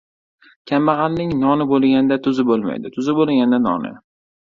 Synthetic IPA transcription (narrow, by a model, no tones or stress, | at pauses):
kʲʰamːɑʁɑlnɪŋnɒnɪbolˠɡʲanɪd̪at̪ʰʊzɪbolˠma̰jd̪ɪt̪ʰʊzɪbolˠɡʲanɪd̪anɒ̰nɪ̰